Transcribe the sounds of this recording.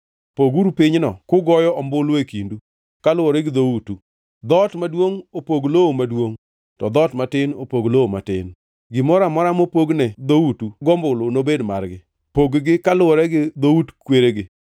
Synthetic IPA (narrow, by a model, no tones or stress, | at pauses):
poɡuɾupɪɲnɔkʊɡɔjɔɔmbʊlʊekindu | kalʊɔɾɛɡɪd̪outu | d̪ɔtmadwoŋopoɡloomadwoŋ | tɔd̪ɔtmatɪnopoɡlooma̰tɪ̰n | ɡɪmɔɾamɔɾamopoɡnɛd̪outuɡɔmbʊlʊnobedma̰rɡɪ | poɡɡɪkalʊɔɾɛɡɪd̪outkweɾeɡɪ